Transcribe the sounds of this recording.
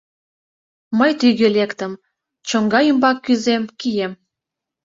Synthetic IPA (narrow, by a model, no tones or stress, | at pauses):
məjt̪yɣelekt̪ə̆m | t͡ɕəŋɡɑjymbɑkːyzemkijem